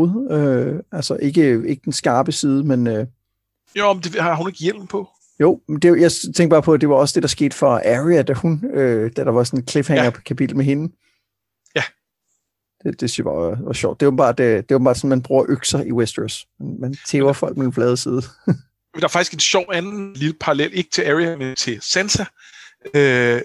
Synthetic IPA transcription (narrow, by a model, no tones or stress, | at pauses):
ðˠøælsɐʔe̝ɡ̥əe̝ɡ̥əd̥ensɡ̥ɑ̈ːb̥əsiːð̞ˠəmenø | jomd̥ehɑhune̝ɡ̥əjel̰mpʰɔ̽ | joʊ̰med̥e̝jɑ̈ɪt͡sʰeŋɡ̥̚b̥ɑ̈ːpʰɒ̽æd̥e̝ʋɑ̈ɒ̽səd̥e̝d̥ɑ̈sɡ̥e̝̰ːd̥fɒæʁiæd̥æhunød̥æd̥ɾ̥ɑ̈ʋɑ̈sɔ̽ne̝nkʰle̝fheŋɐkʰæpʰid̥l̩meɦe̝nə | jæ | d̥e̝d̥e̝sy̥sob̥ɑ̰̥̈ːʋɑ̈ɕɒ̰ʊ̰d̥e̝obm̩bɑ̰̈ːd̥d̥e̝ob̥m̩̥ɑ̰̥̈ːsɔ̽n̩mænb̥ʁuːɐʔøɡ̥sɐʔiwesd̥əsmænmænt͡sʰeːʊɐfɒ̽l̰ɡ̥̚med̥en̩flɛːð̞ˠsið̞ˠ | d̥ɑ̈ɐfɑ̈ɡ̥isɡ̥enɕɒʊ̰ænn̩lilpʰɑ̈ʁɑlel̰e̝ɡ̥ə̥t͡sʰe̝læʁiæment͡sʰe̝lsænsæ | ø